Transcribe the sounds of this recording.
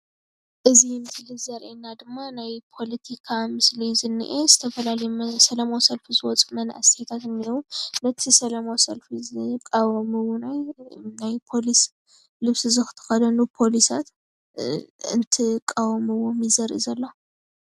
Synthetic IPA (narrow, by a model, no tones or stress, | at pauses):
ʔɨzimɨslizɐɾʔenad̪ɨmːanajpʰo̞lɐt̪ʰikʰamɨslizɨnːɨ̰ʔezɨt̪ʰɐfɐlalɐjmsɐlɐmawsɐlfizɨwɔt͡sʼumɐn̰ʔa̰st̪ʰet̪ʰat̪ɨnːiɾunɐt̪ʰisɐlɐmawsɐlfizkʼawmɨwonajnajpʰo̞lis | lɨβsɨzɨxɨ̥t̪ʰɨ̥xɐd̪ɐnupʰo̞lisa̰t̪ | ɨ̰nt̪ʰikʼawmɨwomizɐɾʔḭzɐlːo